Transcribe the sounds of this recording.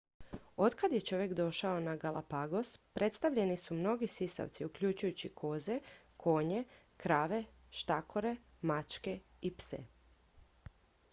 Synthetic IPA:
o̞d̪kad̪jet͡ʃo̞ʋje̞kd̪o̞ʃaonaɡalˠapaɡo̞spɾe̞t̪st̪aʋʎe̞nisumno̞ɡisisa̰ʋt̪siukʎut͡ʃujut͡ɕikʰo̞ze̞ | kʰo̞ːɲe̞ | kɾaːʋe̞ | ʃt̪akʰo̞ɾe̞ | mat͡ʃke | ipsḛ

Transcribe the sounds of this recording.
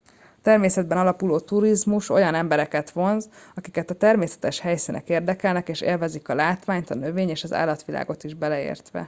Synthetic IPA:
t̪ɛrmeːsɛd̪̚bɛnɒlɒpuloːt̪uɾizmuʃo̞jɒnɛmbɛɾɛkɛt̪ʋo̞nzɒkikɛt̪ɒt̪ɛrmeːsɛ̥t̪ɛʃhɛjsinɛ̰keːrd̪ɛkɛlnɛkeːʃḛːlvɛzikɒlaːt̪ʋaːɲt̪ɒnø̞veːɲeːʃɒza̰ːlːɒt̪ʋila̰ːɡo̞t̪iʒbɛlɛḛːrt̪ʋɛ̰

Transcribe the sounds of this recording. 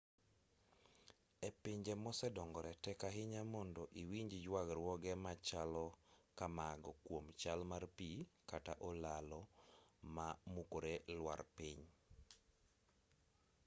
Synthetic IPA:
epɪɲd͡ʒemɔsɛdɔŋɡɔɾɛtɛkaɦɪɲamɔndɔʔiwiɲd͡ʒd͡ʒwaɡɾwɔɡɛmat͡ʃalɔkamaɡɔkwomt͡ʃalmarpikataʔɔlalɔ | mamukoɾelwa̰rpɪɲ

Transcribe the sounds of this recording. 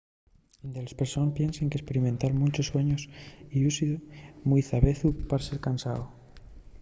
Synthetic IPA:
nd̪elespeɾsonpje̞nseŋkespe̞ɾimẽnt̪aɾmũt͡ʃosːwe̞ɲosiusimujθaβeθupaɾaseɾkansao

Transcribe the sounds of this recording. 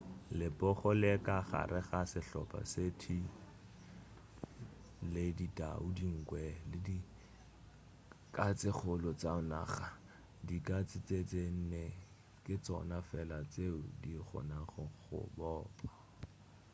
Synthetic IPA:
lɪpʼɔχɔlɛkaχa̰ɾɪχasɪɬɔ̰pʼa̰setʰi | lɪdita̰udiŋ̩kwɛlɪdi | kʼat͡sɪχʊlɔt͡saʊna̰ːχa | dikʼat͡sʼɪt͡set͡sen̩nɛ | kʼɪt͡sɔnafɛlat͡seʊdiχɔ̰naχɔχʊ̰bɔːpʼa

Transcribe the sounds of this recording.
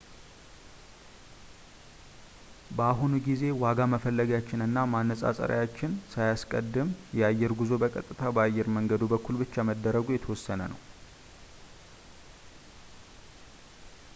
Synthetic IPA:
bəaɦunuɡize̞waɡaməfəlːəɡjat͡ʃːɪnɨnːamanːəsʼa̰sʼə̰ɾə̰jat͡ʃːɪnsajaskʼəd̪ːɨmjɛajːɛɾɡuzo̞bəkʼət̪ʼːɨt̪ʰabəajːɛɾməŋɡəd̪ubəkʰːulbɨt͡ʃːaməd̪ːəɾəɡujɛt̪ʰəwɔsːənənə̰w

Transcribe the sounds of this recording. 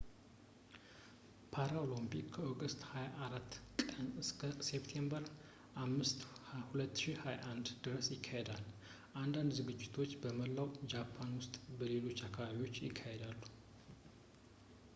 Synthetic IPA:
pʰaɾaolompikːʰəoɡəst̪hajaʔːɾat̪ːkʼənɨskʰəsept̪ʰe̞mbəɾ | ʔamːɨst̪hulət̪ːʃihajaʔand̪d̪ɨɾəsjɪkʰːahed̪al | ʔand̪and̪zɨɡɨd͡ʒːɪt̪ʰo̞t͡ʃːbəməlːawd͡ʒapʰːanwʊst̪ʼbəle̞lo̞t͡ʃːakʰːaβaβio̞t͡ʃːjɪkʰːahe̞d̪alːu

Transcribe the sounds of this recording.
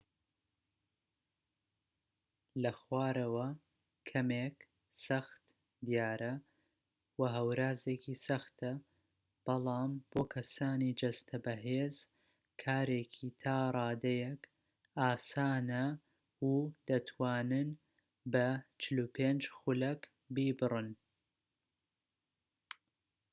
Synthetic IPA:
lɐxwaːɾɐwɐ | kʰɐmeːk | sɐxt̪ | d̪ijaːɾɐ | wɐɦɐwɾaːzeːkiːsɐxt̪ʰɐ | b̥ɑlˠɑːmb̥oːkʰɐsaːniːd͡ʒɐst̪ʰɐbɐɦeːz | kʰaːɾeːkʰit̪ʰaːɾˤɑːd̪ɐjɛk | aːsaːnɐ | ud̪̥ɐt̪ʰwaːnɨn | bɐt͡ʃɪlupʰeːnd͡ʒxʊlɐk | biːbɨrɨn

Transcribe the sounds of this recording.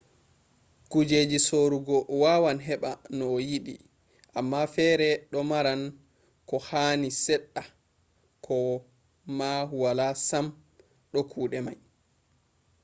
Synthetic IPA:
kud͡ʒed͡ʒisoɾuɡɔwawanɦɛɓanɔjiɗḭ | ʔamːafɛːɾɛɗɔmaɾan | kɔhaːnisɛɗːa | kʰɔ | mahuwalasam | ɗɔkʰuːɗɛmaj

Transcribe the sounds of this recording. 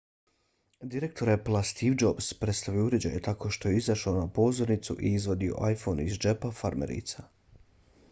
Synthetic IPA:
d̪iɾe̞k̚t̪ʰo̞ɾeplˠast̪ʰiʋd͡ʒo̞bspɾet̪st̪aʋiouɾe̞d͡ʑa̰jet̪ako̞ʃt̪o̞je̞izaʃaonapo̞zo̞ɾnit̪sṵʔiizʋo̞d̪io̰ʔajfo̞nizd͡ʒepafaɾmḛɾḭt̪sa

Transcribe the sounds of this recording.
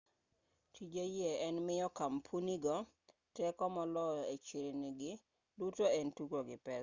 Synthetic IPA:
tʰid͡ʒejɛɛnmɪjɔkampʰuniɡɔ | tɛkɔmɔlɔet͡ʃeɾeniɡɪ | dutoɛntukoɡɪpɛ

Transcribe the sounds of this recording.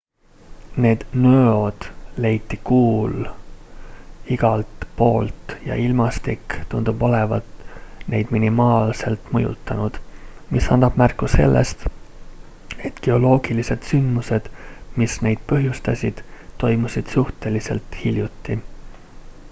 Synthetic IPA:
ne̞ːd̪̥nøod̪̥le̞jt̪ːˑikuːl | iɡ̥ɑlt̪po̞ːlt̪jɑ̰ilmɑst̪ikt̪und̪̥ubo̞levɑ̰t̪ne̞̰jd̪minimɑːlse̞lt̪ˑmɤjṵt̪ːˑɑnud̪̥misɑnd̪ɑb̥mærkˑːuse̞̰lːʔḛst̪ | e̞t̪ɡ̥e̞o̞lo̞ːɡ̥ilise̞d̪̥synd̪muse̞d̪̥misne̞jd̪̥̚pɤɦjust̪ɑsʲid̪̥t̪ːo̞jmusʲid̪̥suht̪e̞lise̞̰lt̪hiljut̪ːi

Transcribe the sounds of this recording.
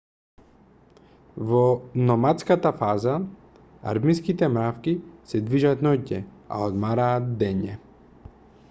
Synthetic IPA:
vɔnɔmat̪skat̪afaza | a̰ɾmiskit̪ɛmɾafkisɛd̪viʒat̪nɔcːɛ | a̰ɔd̪maɾaːt̪̚d̪ɛɲɛ

